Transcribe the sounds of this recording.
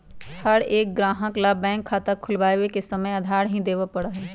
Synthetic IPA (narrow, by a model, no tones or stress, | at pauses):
həɽeːk̚ɡɾãːɦə̃klabɛ̃ːŋkʰːaːt̪əkʰːʊlʋaːjwekesɐməjɐd̪ʱaːɽɦĩd̪eːʋapɐɽaɦɛː